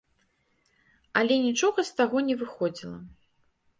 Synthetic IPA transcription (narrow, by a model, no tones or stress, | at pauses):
ɐlʲɛnʲit͡ʂɔɣɐst̪aɣɔnʲɛvɨxɔd͡zʲilˠɐ̰